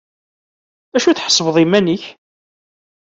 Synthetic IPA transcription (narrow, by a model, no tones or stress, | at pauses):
æʃuθħə̥sˤvəðˤimæniç